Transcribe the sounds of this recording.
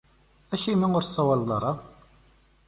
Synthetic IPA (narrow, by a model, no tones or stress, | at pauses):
æʃimæʊɾsˤːɑwɑlːɑɾˤɑ